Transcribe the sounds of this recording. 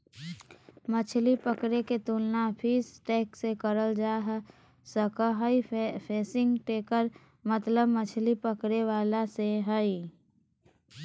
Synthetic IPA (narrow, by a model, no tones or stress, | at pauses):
mət͡ʃʰlipəkɾeket̪uːlnapʰiːsʈeːksekəɾəld͡ʒaːɦ | səkɦəipʰeːsɪ̃ŋɡʈeːkəɾ | mət̪ləbmət͡ʃʰlipəkɾeʋaːlaseɦəi